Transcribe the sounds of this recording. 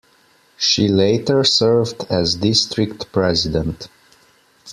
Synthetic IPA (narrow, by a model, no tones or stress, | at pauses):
ʃileɪtə˞sɜ˞vdæzdɪstɹɪktpɹɛzɪdɛ̃nt